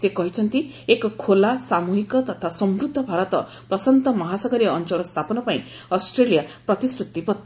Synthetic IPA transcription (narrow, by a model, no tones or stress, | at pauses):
sekɔɦit͡ʃʰʌnt̪i | ekkʰolasamuɦikɔt̪ɔt̪ʰasɔmɾud̪ʱːɔbʱaɾɔt̪ɔ | pɾɔsɔnt̪ɔmɔɦasɔɡɔɾiɔnt͡ʃɔɾɔst̪ʰapɔnɔpaḭ̃ | ɔsʈɾelijapɾɔt̪isɾut̪ːipɔt̪ː